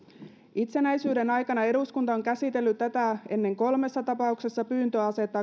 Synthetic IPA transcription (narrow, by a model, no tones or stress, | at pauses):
ʔit̪se̞næjsyːde̞nɑjkɑnɑe̞ɾuskunt̪ɑoŋkæsit̪e̞lːyt̪t̪ːæt̪æe̞nːe̞ŋko̞lme̞sːɑt̪ɑpɑukse̞sːɑpyːnt̪øɑse̞t̪ːɑː